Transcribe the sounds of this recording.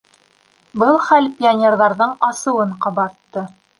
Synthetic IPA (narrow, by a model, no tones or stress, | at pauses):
bɤlˠχælpʲɪonʲerðɑɾðɤɴɑsɤ̆wɤɴqɑβɑt̪ːɤ